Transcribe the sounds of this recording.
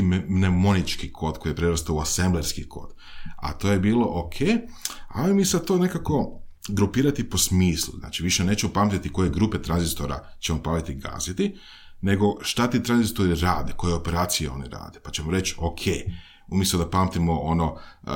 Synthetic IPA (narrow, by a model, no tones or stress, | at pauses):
mnemo̞nit͡ʃkikʰo̞ːd̪ko̞jijepɾeɾost̪ouasembleɾskikʰo̞̰ːd̪̥ | a̰t̪o̞ːjebiːlˠo̞ʔokʰeː | a̰omisat̪one̞kako̞ɡɾupiːɾat̪ipo̞smiːslṵzna̰ːt͡ʃiʋiʃeneːt͡ɕemopaːmt̪it̪iko̞je̞ɡɾuːpe̞t̪ɾanzist̪o̞ɾa̰t͡ɕemopaːlit̪iɡa̰ːzit̪i | ne̞ɡo̞ʃt̪at̪iːt̪ɾanzist̪o̞ɾiɾaːd̪eko̞jeo̞peɾaːt̪sijeo̞̰niɾa̰ːd̪epat͡ɕe̞moɾe̞t͡ɕokʰḛː | umʲjest̪ud̪apaːmt̪imoo̞no